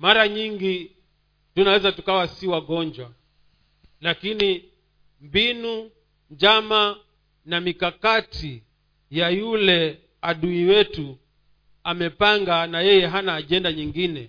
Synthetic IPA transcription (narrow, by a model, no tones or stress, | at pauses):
maɾaɲiŋɡi | tunawɛzatukawasiwaɠɔɲd͡ʒwa | lakini | mbinu | ɲd͡ʒama | namikakatʰi | jajulɛ | aɗuiwɛtu | amɛpaŋɡanajɛjɛɦanaːʄɛndaɲiŋɡinɛ